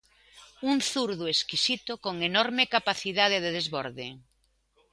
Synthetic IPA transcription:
unθuɾðoeskisit̪ʊkoŋenɔɾmekapaθiðað̞eðeðezβɔɾðɪ

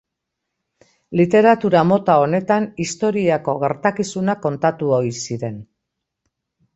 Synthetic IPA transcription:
lit̪e̞ɾat̪uɾamo̞t̪ao̞ne̞t̪anist̪o̞ɾiako̞ɣe̞ɾt̪akisunako̞nt̪at̪uo̞isiɾe̞n

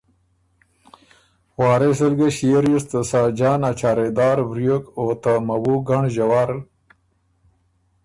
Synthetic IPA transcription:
wɑːɾesəlɡeɕieɾjust̪əsaːd͡ʒɑːnat͡ʃaːɾed̪ɑːɾbɾjokot̪amawuɡaɳʒawaːɾl

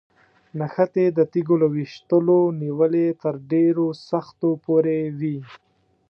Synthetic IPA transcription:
naxat̪ed̪ət̪iɡolawiʃt̪əloniwəlet̪əɾɖeɾosaxt̪opoɾewi

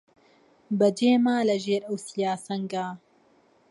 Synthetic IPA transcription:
bɐd͡ʒeːmaːlɐʒeːɾɐwsijaːsɐŋɡaː

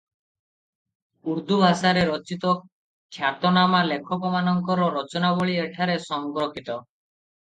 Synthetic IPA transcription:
uɾd̪ʱubʱasaɾeɾɔt͡ʃit̪ɔ | kʰjat̪ɔnamalekʰɔpɔmanɔŋkɔɾɔɾɔt͡ʃɔnaboɭieʈʰaɾesɔŋɡɾokʰit̪ɔ

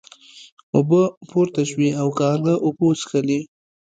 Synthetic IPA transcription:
ʊbəpoɾt̪aʃwiawkɑːɾləʔʊbosxəli

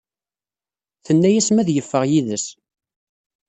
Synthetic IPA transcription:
θənːæjæsmæðjəfːəʁjiðəs

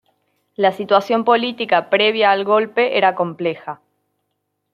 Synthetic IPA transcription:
lasit̪wasjo̞mpo̞lit̪ikapɾe̞β̞jaːlɣo̞lpe̞ʔeɾako̞mple̞xa

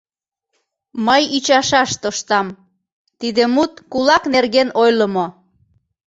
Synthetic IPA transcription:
məjyt͡ɕɑʃɑʃt̪oʃt̪ɑm | t̪id̪emut̪kulɑknerɣenojləmo

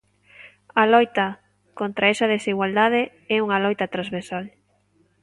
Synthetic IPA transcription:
ɐlɔjt̪ɐ | kont̪ɾaɛsɐðesiɣwald̪aðe | ɛuŋalɔjt̪ɐt̪ɾazβeɾsal

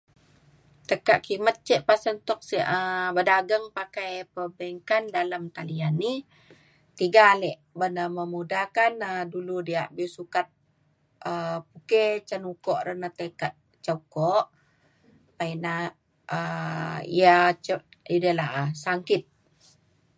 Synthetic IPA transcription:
t̪əkaʔkimət̪̚t͡ʃəʔpasənt̪ɔk̚siʔəbədaɡəŋpakajpəbəŋkandaləmt̪alianːi | t̪iɡaːlɛʔbənəməmudakanəduludiaʔbisukat̪̚ | əpuket͡ʃənukɔʔɾənat̪əkat̪̚ | t͡ʃakɔʔ | paina | əḭat͡ʃəʔidəlaɦasaŋkɪt̪̚

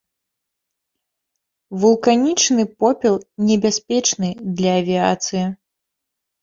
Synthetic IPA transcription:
vulˠkanʲit͡ʂnɨpɔpʲɛlˠnʲɛbʲasʲpʲɛt͡ʂnɨd̪lʲɐːvʲia̰t̪sɨji

